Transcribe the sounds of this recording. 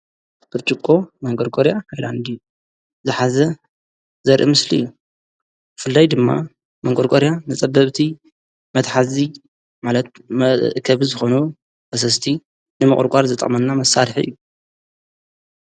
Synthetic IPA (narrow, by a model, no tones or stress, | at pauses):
b̥ɨɾt͡ʃʼɨkʼːo̞mɐŋɡʼoɾkʼoɾjahajland̪i | zɨħazɐ | zɐɾʔimɨslijːu | bɨfɨlːajd̪ɨmːa̰ | mɐŋkʼoɾkʼoɾjanɨt͡sʼɐbːɐβt̪ʰi | mɐt̪ħazi | malɐt̪̚mɐkʰɐβizɨxo̞nu | bɐs̬ɐst̪ʰi | nɨmɨχʼɨ̰ɾkʷʼaɾzɨt̪ʼɐ̰χʼmɐnːamɐsaɾħḭɨ̰jːu